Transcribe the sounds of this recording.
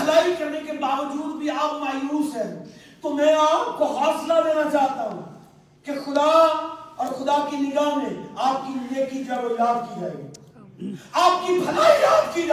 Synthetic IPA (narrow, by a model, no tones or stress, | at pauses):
pɐlaːikɐɾnekebaːʋəd͡ʒuːd̪bʱiaːpmaːjuːsɦɛː | t̪omɛ̃ːaːp̚koɦaːslad̪eːnat͡ʃaːɦt̪aɦṵ̃ | kexʊd̪aɔːɾxʊd̪akinɪɡaːnẽaːp̚kinɪlekid͡ʒaːʋojaːd̪kid͡ʒa̰ːḛ | aːp̚kipʰɐlaːijaːd̪ki